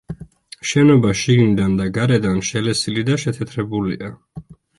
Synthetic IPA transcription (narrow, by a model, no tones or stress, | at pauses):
ʃɛnɔbaʃiɡnid̪and̪aɡaɾɛd̪anʃɛlɛsilid̪aʃɛt̪ʰɛt̪ʰɾɛbulḭa